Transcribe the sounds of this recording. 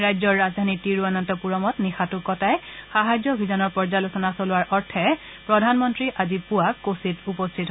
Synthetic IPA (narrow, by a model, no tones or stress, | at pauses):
ɹajzɔɹːazdʱanitiɹuanantɔpuɹɔmɔtnixatukɔtajxaɦazɔbʱizanɔɹpɔɹd͡ʒalosɔnasolʊwaɹʔɔɹtʰɛ | pɹɔdʱanmɔntɹiʔazipuakːostʰitupɔstʰitɦ